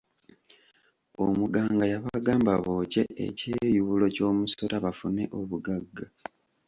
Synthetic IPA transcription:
o̰muɡaːŋɡajaβaɡaːmbaβoːce̞̰ʔḛcejuβulo̞co̞ːmuso̞ɾaβafune̞ʔo̞βuɡaɡːa

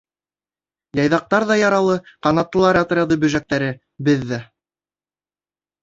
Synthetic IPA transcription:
jɑjðɑq̚t̪ɑɾðɑjɑɾɑlˠɤqɑnɑt̪ːɤ̆lˠɑɾɑt̪̆ɾʲɑðɤbɵ̆ʒæk̚t̪æɾɘ | bɘðːæ

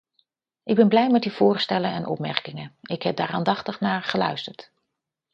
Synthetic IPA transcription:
ʔɪɡ̚bɛnblɛjmɛtdiv̥ʊːɹstɛlənɛnʔɔ̰pmɛ̰ɹkɪŋənɪkɦɛb̚daːraːndɑχtəχnaːɹχəlœ̰ɥstəɹt

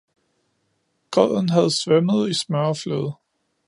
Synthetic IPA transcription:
kʰœð̰ˠn̩ɦæð̞ˠsʋeməðˠismɶɐɐfløðˠ

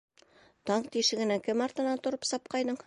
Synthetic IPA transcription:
t̪ɒɴt̪iʃɘ̆ɡɘ̆nækɘmɑɾt̪ɤ̆nɑnt̪ŏɾɤpsɒp̚qɑjd̪ɤɴ

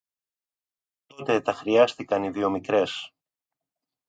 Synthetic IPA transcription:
t̪o̞t̪e̞t̪ɐxɾiɐst̪ikɐniðio̞mikɾe̞s

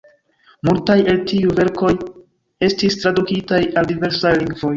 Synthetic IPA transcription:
multaje̞ltiuve̞ɾko̞j | e̞stistɾadukitajaldive̞ɾsajliŋɡvo̞j

